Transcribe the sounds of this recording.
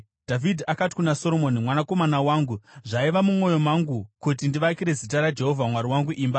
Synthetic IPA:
d̥ʱavidʱiakati̥kunaso̞ɾo̞monimwanako̞manawaːŋɡuʐaiʋamumo̞jo̞maŋɡukut̬indiʋakiɾe̞zit̬aɾad͡ʒe̞ɦo̞vʱamwaɾiwaŋɡuʔiːmba

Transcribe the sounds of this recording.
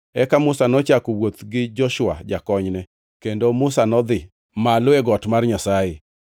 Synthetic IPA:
ɛkamʊsanɔt͡ʃakowot̪ɡɪd͡ʒɔʃʊa̰d͡ʒakɔɲnɛ | kendomʊsanɔd̪ɪ | malʊeɡɔtmarɲasajɪ

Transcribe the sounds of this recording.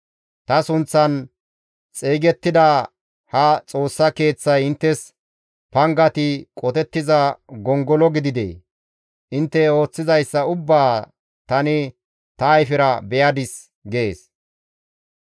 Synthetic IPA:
t̪ɐsʊnt͡sːɐn | t͡sʼeːɡɛt̪ːɪd̪ɐ | hɐt͡sʼo̞ːsːɐke̞ːt͡sːɐjɪnt̪ːɛs | pɐŋɡɐt̪ɪkʼɔt̪ɛt̪ːɪzɐɡɔŋɡɔlɔɡɪd̪ɪd̪ḛː | ʔɪnt̪ːɛo̞ːt͡sːɪzɐjsːɐʊbːaː | t̪ɐnɪ | t̪ɐːjfɪɾɐbɛjɐd̪ɪs | ɡeeːs

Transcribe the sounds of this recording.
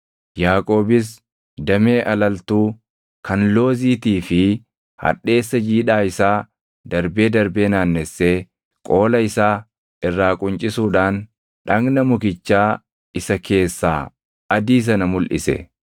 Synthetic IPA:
jaːkʼo̞ːbɪs̬ | d̪ɐme̞ːʔɐlɐlt̪uː | kɐnlo̞ːziːt̪iːfɪ | hɐ̰ᶑe̞ːsːɐd͡ʒiːᶑaːɪsaː | d̪ɐɾbe̞ːd̪ɐɾbe̞ːnaːnːɛsːeː | kʼo̞ːlɐɪsaː | ɪrːaːkʼʊnt͡ʃʼɪsuːᶑaːn | ᶑɐŋɡnɐmʊkɪt͡ʃːaː | ɪsɐkʰe̞ːsːa̰ː | ɐd̪iːs̬ɐnɐmʊlʔɪ̰sɛ̰

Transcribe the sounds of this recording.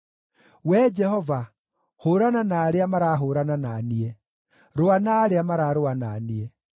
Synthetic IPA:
wɛd͡ʒɛhɔva | hoɾananaːɾeamaɾaɦoɾanananiɛ | ɾoanaːɾeamaɾaɾoananiɛ

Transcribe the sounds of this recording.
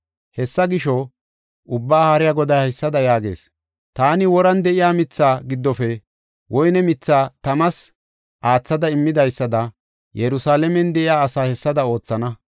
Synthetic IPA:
hɛsːɐɡɪʃɔ | ʔʊbːaːhaɾɪjaɡɔd̪ɐjhɪsːɐd̪ɐjaːɡe̞̰ːs | t̪aːnɪwɔɾɐnd̪ɛʔɪjaːmɪt͡sːaːɡɪd̪ːɔfɛ | wɔjnɛmɪt͡sːaːt̪ɐmɐs | ʔaːt͡sːɐd̪ɐɪmːɪd̪ɐjsːɐd̪ɐ | jɛɾʊsaːlɛmɛnd̪ɛʔɪjaːɐsaːhɛsːɐd̪ɐo̞ːt͡sːɐnɐ

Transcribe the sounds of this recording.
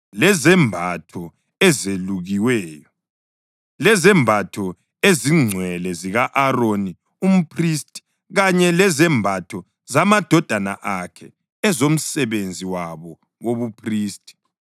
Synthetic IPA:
lɛzɛmbʱatʰɔ | ɛzeluɣiwɛːjɔ | lɛzɛmbʱatʰɔ | eziŋ͡ǀʱwɛlɛziɣaʔaroni | um̩pʰristʼi̥ | ɣaɲɛlɛzɛmbʱatʰɔ | zamad̥ʱɔd̥ʱana̰ʔakʰɛ̰ | ɛzom̩sɛβend͡zʱiwaβɔ | ɣoβupʰriːstʼi̥

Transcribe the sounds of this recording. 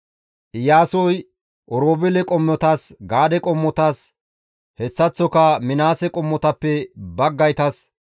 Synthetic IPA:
ʔɪjaːsɔj | ʔɔɾoːbɪlɛkʼɔmːɔt̪aːsɡaːd̪ɛkʼɔmːɔt̪aːs | hɛsːɐt͡sːɔkɐmɪnaːsɛkʼɔmːɔt̪ɐpːɛbɐɡːɐjt̪ɐs

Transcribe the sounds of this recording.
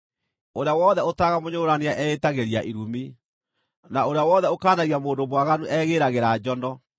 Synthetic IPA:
oɾeawɔðɛotaɣamoɲoːɾaneaʔɛetaɣeɾiaʔiɾumi | naoɾeawɔðɛokaːnaɣiamoːndomwaɣanuʔɛːɣeːɾaɣeɾad͡ʑɔndɔ

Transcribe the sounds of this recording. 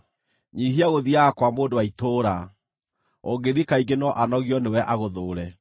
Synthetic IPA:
ɲihiaɣoðiakwamoːndowaitoːɾa | oɡeðikaiɡenɔʔanɔɣiɔnewɛʔaɣoðoːɾɛ

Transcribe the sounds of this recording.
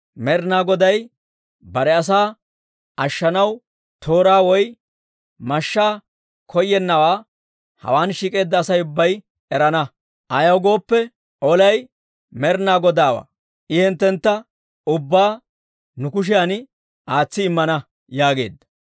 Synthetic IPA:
mɛɾnaːɡɔd̪ɐj | bɐɾɛɐs̬aː | ʔɐʃːɐnɐw | t̪ʰo̞ːɾaːwɔj | mɐʃːaː | kʰɔjːɛnːɐwaː | hɐ̰waːnʃiːkʼe̞ːd̪ːɐːsɐjʊbːɐj | ɛɾɐnɐ | ʔɐjɐwɡo̞ːpːɛ | ʔɔlɐj | mɛɾnaːɡɔd̪aːwa̰ː | ʔɪhɛnt̪ːɛnt̪ːɐ | ʊbːaː | nʊkʊʃ̬ɪjanɪ | ʔaːt͡sːɪːmːɐnɐ | jaːɡe̞̰ːd̪ːɐ̥

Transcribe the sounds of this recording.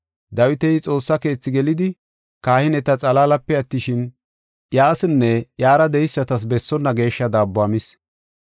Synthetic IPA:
d̪ɐwɪt̪ɛjɪt͡sʼo̞ːsːɐke̞ːt͡sːɪɡɛlɪd̪ɪ | kaːhɪnɛt̪ɐt͡sʼɐlaːlɐpːɛɐt̪ːɪʃɪn | jaːsɪnːɛjaːɾɐd̪ɛjɪsːɐt̪ɐs̬bɛsːɔnːɐɡe̞ːʃːɐd̪aːbːʊaːmɪs

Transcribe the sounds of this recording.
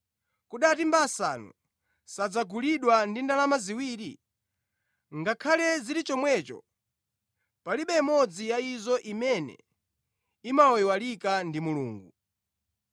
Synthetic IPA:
kuɗatimbasanṵ | sad͡zaɡuliɗwandindalamaziwiːɾi | ŋɡakʰalɛziɾit͡ʃɔmwɛːt͡ʃɔ̰ | paliɓɛmɔd͡zijaizɔʔimɛnɛ̰ | imaɔwalikandimuluːŋɡu

